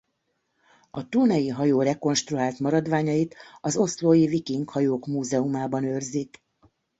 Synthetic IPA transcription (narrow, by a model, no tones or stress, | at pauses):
ɒt̪uːnɒjiɦɒjoːrɛko̞nʃt̪ruɦaːlt̪mɒɾɒd̪ʋaːɲɒjit̪ɒzo̞sloːjivikiŋkhɒjoːkmuːzɛumaːbɒnøːrzik